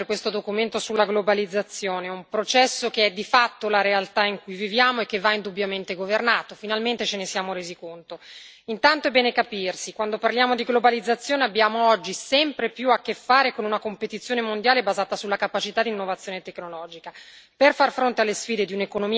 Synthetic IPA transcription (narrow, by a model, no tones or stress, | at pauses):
kwest̪od̪okument̪osulːaɡlobalid̪zːat̪sːjoːneumpɾot͡ʃɛsːokeɛd̪ːifat̪ːolaɾealt̪aiŋkujvivjaːmoekːevːaind̪ubjament̪eɡovernaːt̪ofinalment̪et͡ʃenesjaːmoɾeːzikont̪o | int̪ant̪oɛbːɛːnekapirsikwand̪oparljaːmod̪iɡlobalid̪zːat̪sːjoːneabːjaːmoɔd͡ʒːisɛmpɾepjuakːefːaːɾekonunakompet̪it̪sːjoːnemond̪jaːlebazaːt̪asulːakapat͡ʃit̪ad̪inːovat̪sːjoːnet̪ekːnolɔːd͡ʒika | perfarfɾont̪ealːesfiːd̪ed̪iunekonomi